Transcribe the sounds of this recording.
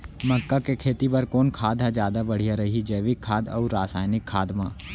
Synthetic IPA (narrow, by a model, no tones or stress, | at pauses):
mɐkːakekʰeːt̪ipɐɾkoːnkʰaːd̪ʱad͡ʒjaːd̪abɐɽ̤ijaɾɐɦid͡ʒəːʋɪkʰːaːd̪ɔ̰ːɾːaːsaːjnɪkʰːaːd̪mãː